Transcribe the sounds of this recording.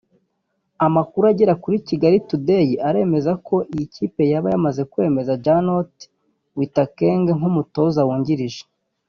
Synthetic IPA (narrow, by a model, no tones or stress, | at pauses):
amakuɾuaɟeɾakuɾiciɡaɾitudejiʔaɾe̞ːme̞zako̞ʔijicipe̞jaβajamaze̞kwe̞ːme̞zad͡ʒanot | witakeːŋɡeŋumuto̞zawuːɲɟiɾiʒe̥